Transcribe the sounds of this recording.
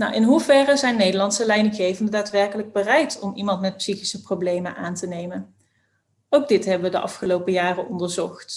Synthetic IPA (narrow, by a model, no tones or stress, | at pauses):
nɔwʔɪnɦuvɛrəzɛjnːejdəɹlɑntsəlɛjnəɣejvəndədaːtʋɛɹkələɡ̚bərɛjtɔmimɑntmɛt̚psiχi̥səprowblejmənʔaːntənejmən | owɡ̚dɪtɦɛbəʋədəʔɑ̰fχəlowpəjaːrəʔɔndəɹzɔχt